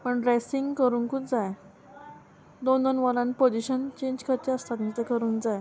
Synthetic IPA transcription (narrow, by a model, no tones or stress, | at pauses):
pəɳɖɾesiŋɡkəɾuːnkut͡sd͡zaj | d̪ond̪ənʋəlãnpod͡ʑiɕənt͡ɕẽɲd͡ʑkʰəɾt̪iəst̪at̪nit̪əkəɾuːnkd͡zaj